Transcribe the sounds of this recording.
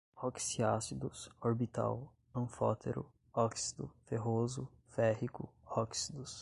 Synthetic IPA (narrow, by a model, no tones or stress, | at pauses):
ɔksiasid̪ʊsoɾbit̪a̰w | ɐ̃fɔ̰t̪ʰḛɾʊ̰ | ɔksid̪ʊfeɦozʊ | fɛɦikʊ̰ɔksid̪ʊs